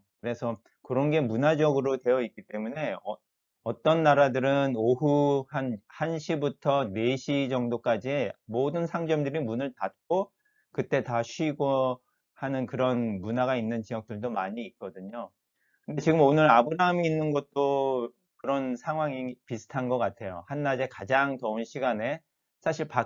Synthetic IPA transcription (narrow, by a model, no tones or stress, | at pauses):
kɯɾe̞sʰʌ | kɯɾʌnɡe̞munad͡ʑʌɡɯɾotwe̞jʌik͈it͈e̞mune̞ʌ | ʌt͈ʌnːaɾadɯɾɯnoɦuhanhanɕʰibutʰʌne̞ɕʰid͡ʑʌŋdok͈ad͡ʑiemodɯnsʰaŋd͡ʑʌmdɯɾimunɯɭtat̚k͈o | kɯt͈e̞taɕʰɥiɡo | hanɯnkɯɾʌnmunaɣainːɯnt͡ɕijʌk̚t͈ɯɭdomaɲiːk̚k͈ʌdɯɲo | kɯnde̞t͡ɕiɡɯmonɯɾabɯɾamiːnːɯnɡʌt̚t͈o | kɯɾʌnsʰaŋɦwaŋipisʰɯ̥tʰanɡʌk͈atʰe̞johanːad͡ʑe̞kad͡ʑaŋtʌunɕʰiɡane̞ | sʰaɕʰiɭpa